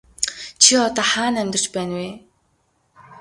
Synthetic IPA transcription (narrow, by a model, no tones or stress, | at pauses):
t͡ɕʰiɔt̪ɔːχaːnæmʲt̪ɪ̆r̥t͡ɕpæːnweː